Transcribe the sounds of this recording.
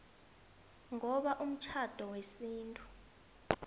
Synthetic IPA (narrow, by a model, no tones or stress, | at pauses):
ŋɔɓaʔum̩t͡ʃʰad̥ʱɔwesiːntʼu